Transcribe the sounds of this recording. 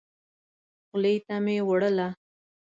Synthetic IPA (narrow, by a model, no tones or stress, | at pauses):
xʊlejt̪amewəɽəla